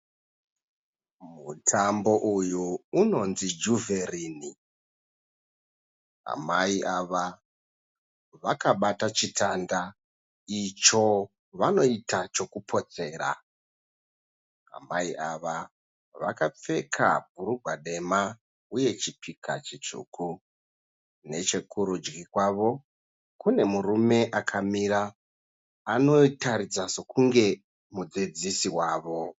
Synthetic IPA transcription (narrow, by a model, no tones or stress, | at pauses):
mutʰambo̞ʔujuːno̞nzid͡ʒuveriːni | a̰maiʔaʋa | ʋakaɓatat͡ʃitʰanda | it͡ʃo̞ | ʋano̞itat͡ʃo̞kupʰo̞t͡se̞ːɾa̰ | a̰maiʔaʋa | ʋa̰kap͡fe̞kʰa̰b̥̚ʱuɾuɡʱwaɗe̞ma | uje̞t͡ʃipikʰa̰t͡ʃit͡ʂṵːku | ne̞t͡ʃe̞kuɾud͡ʒɡikwaːʋo̞ | kune̞murume̞ʔakʰamiɾaː | no̞taɾid͡zaso̞kuŋɡe̞ | mud͡zid͡zisiwaːʋo̞